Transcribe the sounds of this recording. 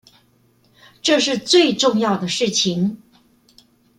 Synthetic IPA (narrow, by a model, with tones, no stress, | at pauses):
ʈ͡ʂɤ˥˧ʂɻ̩˥˧t͡swe˥˧ɪʈ͡ʂʊ˥˧ŋjɑ˥˩ʊd̪ə˩ʂɻ̩˥˩t͡ɕʰi˧˥ŋ